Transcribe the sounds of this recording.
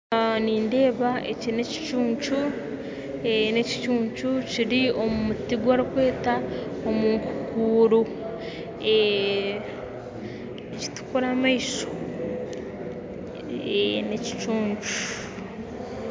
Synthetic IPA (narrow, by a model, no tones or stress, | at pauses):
niːnde̞ːβaʔeciɾine̞ci̥t͡ʃuːɲt͡ʃu | ene̞ci̥t͡ʃuːɲt͡ʃuciɾiomumutiɡwaɾikwe̞ːtaomuŋku̥kuːɾu | e | ci̥tu̥kuɾamaiso̥ | eneci̥t͡ʃuːɲt͡ʃu̥